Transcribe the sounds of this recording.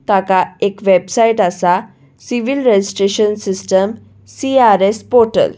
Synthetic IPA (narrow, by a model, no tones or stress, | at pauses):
t̪akaekʋebsaiʈasa | siʋilɾed͡ʑisʈɾeɕənsisʈəm | siaɾespɔɾʈə̰l